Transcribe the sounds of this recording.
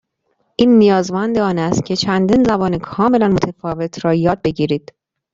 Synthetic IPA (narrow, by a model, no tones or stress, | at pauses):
ʔiːnːijɒːzmænd̪eɒːnæst̪̚cʲʰe̞t͡ʃʰænd̪iːnzæbɒːnekʰɒːme̞lænmot̪ʰefɒːve̞t̪ʰɾɒːjɒːd̪̚be̞ɟiːɾiːd̪̥